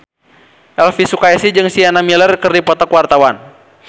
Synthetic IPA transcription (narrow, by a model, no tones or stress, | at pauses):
ʔɛlfisukaɛsid͡ʒɨŋsianamilərkərdipɔt̪ɔkwart̪awan